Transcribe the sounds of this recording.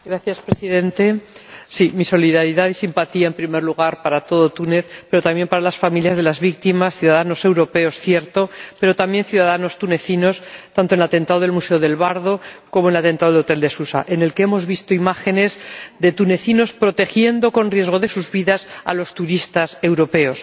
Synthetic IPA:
ɡɾaθjaspɾesiðẽ̞nt̪e̞simiso̞liðaɾiðaðisimpat̪iaempɾime̞ɾluɣ̞aɾpaɾat̪o̞ð̞o̞t̪une̞θpe̞ɾo̞t̪amjempaɾalasfamiljazð̞e̞lazβik̚t̪imasθjuðaðano̞se̞wɾo̞pe̞o̞sθje̞ɾt̪o̞pe̞ɾo̞t̪amje̞nθjuðaðano̞st̪une̞θino̞st̪ant̪onelat̪e̞nt̪aðoð̞e̞lmuse̞oðe̞lβaɾð̞o̞ko̞monelat̪e̞nt̪aðolo̞t̪e̞ld̪e̞susa̰ʔe̞ne̞lkeemo̞zβist̪o̞imaxe̞ne̞zðe̞t̪une̞θino̞spɾo̞t̪e̞xje̞nd̪o̞ko̞nrje̞zɣo̞ðe̞suzβiðasa̰lo̞st̪uɾist̪ase̞wɾo̞pe̞o̞s

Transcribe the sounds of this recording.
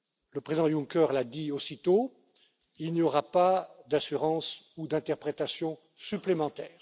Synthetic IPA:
ləpχezid̪ɑ̃jũŋkœʁlad̪iosit̪o | ilnjɔʁapad̪asyʁɑ̃sud̪ɛ̃t̪ɛʁpχet̪asjɔ̃ | syplemɑ̃t̪ɛːʁ

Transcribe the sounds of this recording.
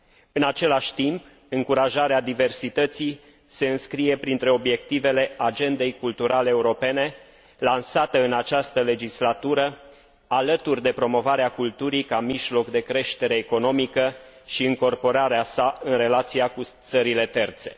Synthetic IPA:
ɨnat͡ʃe̞laʃʲt̪imp | ɨŋkuɾaʒaɾead̪ive̞rsit̪ət̪sij | se̞ɨnskɾije̞pɾint̪ɾe̞o̞bje̞k̚t̪ive̞le̞ad͡ʒe̞nd̪e̞jkult̪uɾale̞ːuɾo̞pe̞ne̞ | lansat̪əɨnat͡ʃast̪əle̞d͡ʒislat̪uɾə | alət̪urʲd̪e̞pɾo̞mo̞vaɾeakult̪uɾikamiʒlo̞kd̪e̞kɾe̞ʃt̪e̞ɾe̞ːko̞no̞mikə | ʃiɨŋko̞rpo̞ɾaɾeasaɨnre̞lat̪sijakut̪səɾile̞t̪e̞rt̪se̞

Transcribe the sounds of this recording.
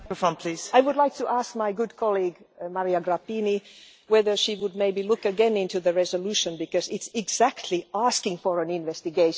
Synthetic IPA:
əfʌ̃npʰl̥iz̥aɪwʊdˡlaɪk̚tʰɨʔæsk̚maɪɡʊd̚kʰɑlˠiɡmaɹiaɡɹapini | wɛðə˞ʃiwəd̚meɪbilʊkɨɡɛ̃nɪ̃ntʉðɨɹɛzəlʉʃɨ̃nbɨkʌzɪtsɪɡzæktʰliæskɪ̃ŋfəɹə̃nɪ̃nvɛstɨɡeɪʃ

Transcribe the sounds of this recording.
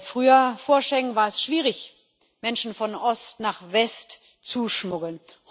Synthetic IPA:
fʁ̥yːɐfoːɐʃɛŋənvaːɐɛsʃv̥iːʁɪç | mɛnʃn̩fɔnʔɔstnaːχvɛst | t͡suʃmʊɡl̩nh

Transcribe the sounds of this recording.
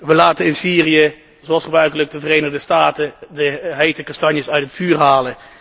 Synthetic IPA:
ʋəlaːtəɪnsiːriə | zoɑlˠsχəbrœɥkələk̚dəvərejnəʁdəstaːtədəɦejtəkɑstɑnjəsœɥtɦətfyːrɦaːlə

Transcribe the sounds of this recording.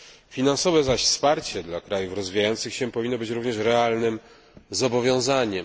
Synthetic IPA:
fʲinansɔvɛzaɕfspaɾt͡ɕɛd̪lakɾajufɾɔzvʲijajɔnt̪sɘxɕɛ̃pɔvʲinːɔbɘt͡ɕɾuvɲɛʂɾɛalnɘm | zɔbɔvʲjɔ̃w̃zaɲɛm

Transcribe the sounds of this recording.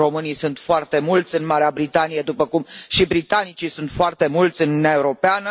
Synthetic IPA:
o̞mɨnijsunt̪foart̪e̞mult̪sʲɨnmaɾeabɾit̪anijed̪upəkumʃibɾit̪anit͡ʃisunt̪foart̪e̞mult̪sʲɨnuuneae̞uɾo̞peanə

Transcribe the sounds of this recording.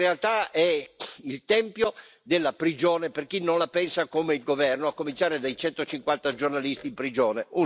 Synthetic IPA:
ealt̪aɛilt̪ɛmpjod̪elːapɾid͡ʒoːneperkinːonlapɛnsakomeilɡovɛrnoakːomint͡ʃaːɾed̪ajt͡ʃɛnt̪ot͡ʃiŋkwant̪ad͡ʒornalist̪iːmpɾid͡ʒoːneu

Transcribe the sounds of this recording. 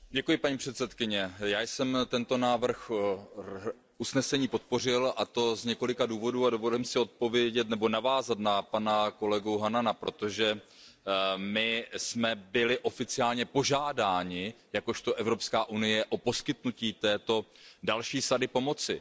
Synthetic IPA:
ɟɛkujɪpaɲiːpr̝̥ɛt̪sɛt̪kɪɲɛjaːjsɛmt̪ɛnt̪o̞naːvr̩x | ʔusnɛsɛɲiːpo̞t̪̚po̞r̝ɪlat̪o̞zɲɛko̞lɪkaduːvo̞duːadovollɪmsɪo̞t̪̚po̞vjɛɟɛt̪nɛbo̞navaːzat̪napanako̞lɛɡuɦananapɾo̞t̪o̞ʒɛ | mɪsmɛbɪlɪʔo̞fɪt͡sɪaːlɲɛpo̞ʒaːdaːɲɪjako̞ʃt̪o̞ʔɛvɾo̞pskaːʔunɪjɛʔopo̞skɪt̪nuciːt̪ɛːt̪o̞ | dalʃiːsadɪpo̞mo̞t͡sɪ

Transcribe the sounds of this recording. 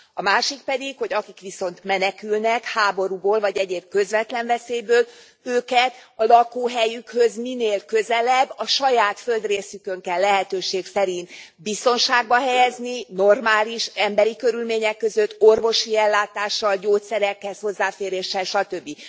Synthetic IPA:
ɒmaːʃik̚pɛd̪ikho̞ɟɒkikʋiso̞nt̪mɛnɛkylnɛkhaːbo̞ɾuboːlvɒɟɛɟeːb̥̚kø̞zvɛt̪lɛɱvɛseːjbøːl | øːkɛt̪ɒlɒkuːɦɛjykhøzmineːlkø̞zɛlɛbːɒʃɒjaːt̪fø̞ld̪reːsykøŋkɛlːɛɦɛt̪øːʃeːksɛɾint̪bist̪o̞nʃaːɡ̚bɒɦɛjɛznino̞rmaːliʃɛmbɛɾikø̞ɾylmeːɲɛkːø̞zø̞t̪ːo̞rvo̞ʃiɛlːaːt̪aːʃːɒlɟoːt̪sɛɾɛkːɛzho̞zːaːfeːɾeːʃːɛlʃɒt̪øbːi

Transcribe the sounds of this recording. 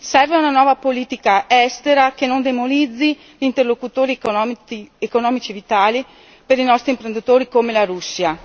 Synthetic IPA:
sɛrveunanwɔːvapoliːt̪ikaɛst̪eɾakenond̪emolid̪zːi | ʎint̪erlokut̪oːɾiiekonɔːmit͡ʃievit̪aːli | peɾinɔst̪ɾimpɾend̪it̪oːɾikomelaɾusːia

